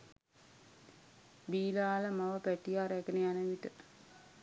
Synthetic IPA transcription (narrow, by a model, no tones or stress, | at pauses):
biːlaləmaʋəpæʈiaɾɛkənejanəʋit̪ə